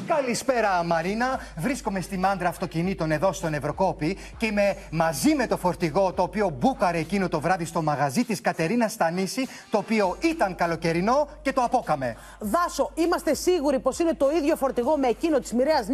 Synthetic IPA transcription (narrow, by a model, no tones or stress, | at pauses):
kɐlispe̞ɾɐmɐɾinɐ | vɾisko̞me̞st̪imɐnd̪ɾɐːft̪o̞cinit̪o̞ne̞ðo̞st̪o̞ne̞vɾo̞ko̞pi | ce̞ime̞mɐzime̞t̪o̞fo̞ɾt̪iɣo̞t̪o̞ːpio̞bukɐɾeːcinot̪o̞vɾɐðist̪o̞mɐɣɐzit̪iskɐt̪e̞ɾinɐst̪ɐnisi | t̪o̞ːpio̞it̪ɐŋkɐlo̞ce̞ɾino̞ce̞t̪oɐpo̞kɐme̞ | ðɐso̞imɐst̪e̞siɣuɾipo̞sine̞t̪o̞iðʝo̞fo̞ɾt̪iɣo̞me̞ːcino̞t̪i̥zmiɾeɐz